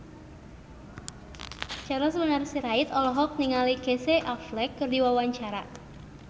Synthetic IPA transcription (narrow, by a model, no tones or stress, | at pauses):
t͡ʃaɾɔsəbənarsiɾaɪt̪ɔlɔɦɔk̚niŋaliɡ̥eseʔaflɛkːɨrdiwawaɲt͡ʃaɾa